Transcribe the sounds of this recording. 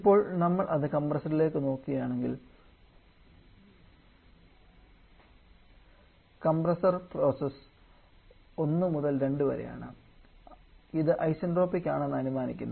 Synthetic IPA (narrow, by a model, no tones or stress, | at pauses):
ipːo̞ːɭnɐmːɐɭʔɐðɨkɐmbrɐsɐrile̞ːkːɨno̞ːkːiɣɐjaːɳe̞ŋɡḭl | kɐmbrɐsɐrpro̞ːses | o̞nːɨmuðɐlɾe̞ɳɖɨʋɐ̰ɾḛja̰ːɳɨ̰ | iðɨʔɐjsɐnɖro̞ːpːikʲːaːɳe̞nːɨɐnumaːnikʲːunːɐ